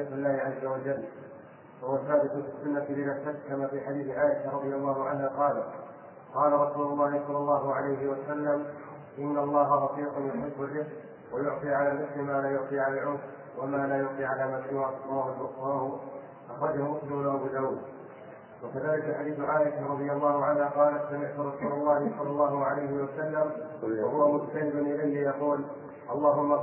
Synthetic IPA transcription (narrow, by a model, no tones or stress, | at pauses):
atɪlːaːhɪʕazːawad͡ʒalː | ahʊwalθːaːbɪt̪ʊfisːʊnːat̪lɪðaħt̪at̪kamaːfiːħad̪iːθʕaːʔɪʃaɾˤɑd̪ˤɨjɑlˤːɑːhʊʕanhaːqɑːla | qɑːlaɾˤɑsuːlʊlˤːɑːhɪsˤɑlːɑlˤːɑːɦʊʕalajɦɪwasalːam | ʔɪnːalˤːɑːɦaɾˤɑqiːqʊnjʊħɪbːʊrːɪk | wajʊʕt̪ˤiːʕalaːlmʊslɪmaːlaːjʊʕt̪ˤiʕalalʕuːf | wamaːlaːjʊʕt̪ˤiːʕalaːmasɪwaʔt̪ˤːɑːhʊlbʊsfɑhʊ | ʔaxɾˤɑd͡ʒahʊmʊslɪmnawabʊzawuːd̪ | wakaðaːlɪkaħad̪iːθʊʕaːʔɪkaɾˤɑðˤɨjalˤːɑːhʊʕanhaqɑːlat̪samɪʕt̪ʊɾˤɑsuːlɑlˤːɑːhɪsˤɑlːɑlˤːɑːɦʊʕalajhɪwasalːamwahʊwamʊd͡ʒt̪anɪbʊnʔɪlajlɪjɑquːl | ʔɑlˤːɑːɦʊmːa